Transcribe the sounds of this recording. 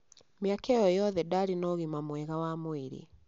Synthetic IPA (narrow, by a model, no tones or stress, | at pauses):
miakɛjɔjɔðɛdaɾinɔɣimamwɛɣawamwiɾḭ